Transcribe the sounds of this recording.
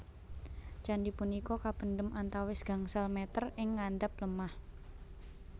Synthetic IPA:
t͡ʃandipunikɔkapənɖəmʔant̪awɪsɡ̥a̤ŋsalmɛt̪ərɪŋːand̪ap̚ləmah

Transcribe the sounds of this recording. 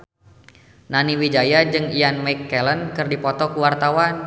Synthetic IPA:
naniwid͡ʒajad͡ʒɨŋianmajkːɛlənkɨrdipɔt̪ɔkuwart̪awan

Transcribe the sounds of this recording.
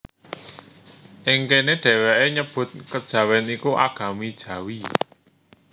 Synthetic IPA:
ʔɪŋkeneɖ̥ɛ̤weʔeɲəb̥ʊ̤t̪̚kəd̥ʒ̥ä̤wɛnikuʔa̰ɡ̥ä̤mid̥ʒ̥ä̤wi

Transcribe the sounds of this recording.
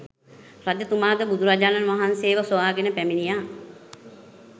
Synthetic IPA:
rad̪ət̪umaːd̪əbud̪ʱuɾad͡ʒaːnanʋaɦanseːʋəsoʋaːɡenəpæminijaː

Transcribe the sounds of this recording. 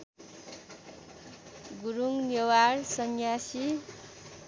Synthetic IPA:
ɡuɾuŋnewaɾsʌnjasi

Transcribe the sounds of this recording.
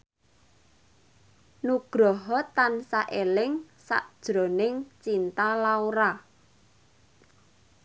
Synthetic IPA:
nuɡ̥ɾɔɦɔt̪ansaʔelɪŋ | sa̰ʔd̥ʒ̥ɾo̤nɪŋt͡ʃint̪alauɾa

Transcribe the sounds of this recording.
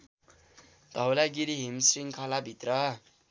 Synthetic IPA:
d̪ʱʌwlaɡiɾiɦimsriŋkʰʌlabʱit̪rʌ

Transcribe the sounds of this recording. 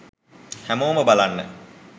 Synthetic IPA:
hæmoːməbalanːə̰

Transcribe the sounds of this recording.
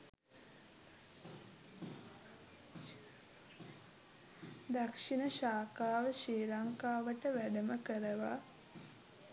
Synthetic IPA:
d̪akʂinəʃaːkaːʋəʃeːɾaŋkaːʋəʈəʋæɖəməkəɾəʋa̰

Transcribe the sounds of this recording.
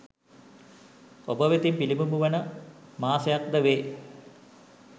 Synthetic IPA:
obɐʋet̪impilimumuʋɐnɐmaːsɐjak̚d̪ɐʋe

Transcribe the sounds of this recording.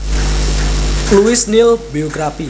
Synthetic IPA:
luɪsnɪlbioɡɾafi

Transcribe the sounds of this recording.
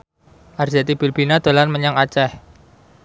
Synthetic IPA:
ʔard͡ʒat̪ib̥ilb̥inad̪̥o̤lanməɲaŋat͡ʃɛh

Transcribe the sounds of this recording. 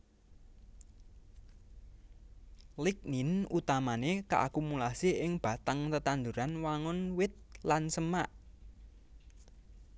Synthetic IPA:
lik̚ninut̪amanekaʔakumulasiʔɪŋb̥a̤t̪aŋt̪ət̪and̪uɾanwaŋʊnwɪt̪̚lansəmaʔ

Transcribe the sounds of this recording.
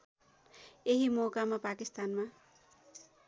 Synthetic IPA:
eɦimokamapakist̪anma

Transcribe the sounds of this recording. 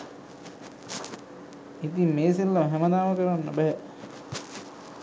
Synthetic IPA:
it̪imːeːselːamɦɛməd̪aːməkəɾanːəbɛɦɛ

